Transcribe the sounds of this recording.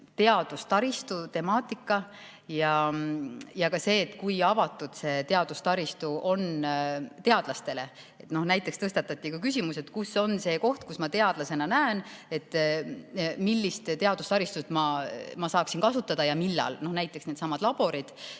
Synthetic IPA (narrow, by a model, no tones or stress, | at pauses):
t̪e̞ɑd̪̥ust̪ɑɾist̪ut̪e̞mɑːt̪ˑikːˑɑ | jɑ | jɑkɑse̞ːt̪ːˑkujɑvɑt̪ːˑud̪̥se̞ːt̪e̞ɑd̪̥ust̪ɑɾist̪uo̞nt̪e̞ɑd̪̥lɑst̪e̞le̞ | et̪no̞hnæjt̪ːˑekst̪ɤst̪ɑt̪ːˑɑt̪ːˑikukysʲimuse̞t̪kuso̞nse̞ːko̞ht̪kusmɑt̪e̞ɑd̪̥lɑse̞nɑnæene̞t̪ː | milːist̪t̪e̞ɑd̪ust̪ɑɾist̪ust̪mɑmɑsɑːksinkɑsut̪ːˑɑd̪̥ɑjɑmilːɑ̰lno̞hnæjt̪ˑːeksned̪sɑmːɑd̪̥lɑb̥o̞ɾid̪̥